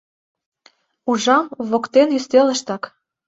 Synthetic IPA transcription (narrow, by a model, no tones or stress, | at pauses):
uʒɑmβokt̪enjyst̪elə̆ʃt̪ɑk